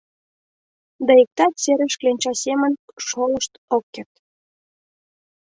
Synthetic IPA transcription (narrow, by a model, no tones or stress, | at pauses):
d̪ɑek̚t̪ɑt̪seɾĕʃklenʲt͡ɕɑsemə̆nʃolˠəʃt̪okːert̪